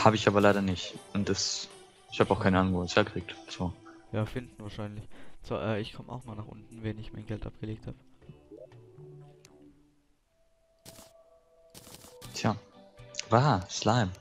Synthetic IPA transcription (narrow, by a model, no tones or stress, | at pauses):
haːbəɪçʔaːbɐlaɪɾɐnɪçtʊnt̚d̥as | ɪçhaːbəaʊxkʰaɪnəʔaːnʊŋvoːshɛɐkəʁ̥iːk̚tz̥oːjaːfɪndn̩vaːɐʃaɪnlɪçt͡saːʔɛːɪçkʰɔməʔa̰ʊxnuːɐnaːχʔʊ̰ntn̩vɛnɪçmaɪnɡɛltʔa̰p̚ɡ̥əleːk̚thaːb̥ə | tʰjaː | vaːslaɪm